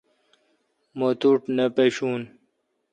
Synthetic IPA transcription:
mot̪uʈnepeɕuːn

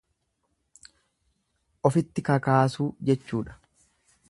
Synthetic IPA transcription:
ʔɔfɪt̪ːɪkɐkaːsuːd͡ʒɛt͡ʃːuːᶑɐ̥

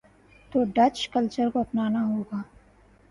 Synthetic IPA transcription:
t̪oːɖɐt͡ʃkɐlt͡ʃəɾkoɐpnaːnaɦoːɡaː

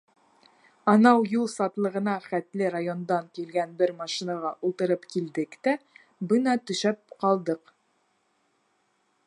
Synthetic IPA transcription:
ɑnɑwjulˠsɑt̪lˠɤ̆ʁɤ̆nɑχæt̪lɘɾajo̞nd̪ɑŋkilɡænbɘɾmɑʃinɑʁɑʔulˠt̪ɤ̆ɾɤpkild̪ɘkt̪æ | bɤnɑt̪ɵ̆ʃæp̚qɑlˠd̪ɤq

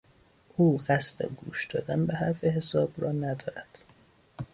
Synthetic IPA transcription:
ʔuːɣæst̪ḛɡṵːʃd̪ɒːd̪ænbeɦæɾfeɦesɒːbrɒːnæd̪ɒːɾæd̪̥

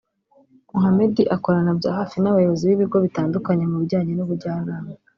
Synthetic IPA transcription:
muɦame̞diʔako̞ɾanabɟa̰ːhaːfinaβajo̞βo̞ziβiβiɡo̞βitaːndukaɲe̞muβiɾɟaːɲenuβuɾɟaːnaːma

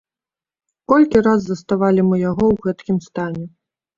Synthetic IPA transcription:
kɔlʲkʲiɾazːɐst̪avalʲimɨjaɣɔwɣɛt̪kʲimst̪anʲɛ

